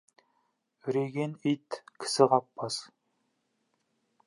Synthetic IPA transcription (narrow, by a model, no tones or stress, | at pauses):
ʏɾeɡʲenit̪kʲʰɪ̥sɪʁɑpːɑs